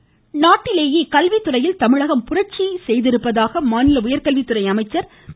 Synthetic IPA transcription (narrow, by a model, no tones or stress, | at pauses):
naːʈːɪleːjeːkɐlʋit̪ːɯrɐjɪlt̪ɐmɪɻɐɣɐmpʊrɐt͡ʃisɛjðɪɾɯpːɐðaːɣɐmaːnɪlɐʊjɐɾkɐlʋit̪ːɯrɐɪɐmɐɪt͡ʃːɐɾ